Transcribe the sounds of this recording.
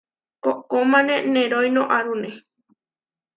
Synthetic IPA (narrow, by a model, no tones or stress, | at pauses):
kokomãnẽnẽɾojnõʔaɾune